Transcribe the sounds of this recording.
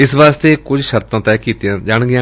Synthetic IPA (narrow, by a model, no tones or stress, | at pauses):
ɪsʋaːst̪eːkʊd͡ʒʃəɾt̪ãːt̪ɛːkiːt̪ɪjãːd͡ʒaːɳɡɪjãː